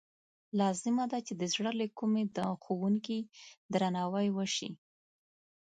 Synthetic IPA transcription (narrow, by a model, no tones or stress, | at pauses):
lɑzɪmad̪at͡ʃed̪əzɽəlekumed̪əxowuŋkid̪ɾanɑwajwəʃḭ